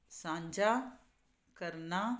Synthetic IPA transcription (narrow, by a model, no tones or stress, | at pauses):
sãːɲd͡ʒʱa | kɐɾna